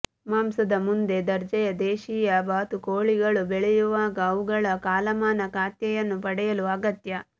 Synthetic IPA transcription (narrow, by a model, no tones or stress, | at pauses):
maːmsɐd̪ɐmund̪e̞d̪ɐɾd͡ʒɐjɐd̪ɛːʃiːjɐbaːt̪ukoːɭiɡɐɭubɛɭɛjuʋaːɡɐːʋuɡɐɭɐkaːlɐmaːnɐkaːt̪jɐjɐnːupɐɽɛjɐluɐɡɐt̪jɐ